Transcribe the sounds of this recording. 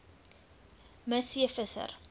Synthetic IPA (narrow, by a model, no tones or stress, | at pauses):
məsiəfəsə̰r